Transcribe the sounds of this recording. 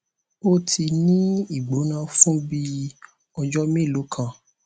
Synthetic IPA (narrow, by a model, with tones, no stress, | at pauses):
o˦tʰi˧nĩ˦i˦˨ɡ͡bo˨˦nã˧fũ˦bi˦˧ | ɔ˧d͡ʒɔ˦mĩ˦˨lo˨˦kʰã˧˨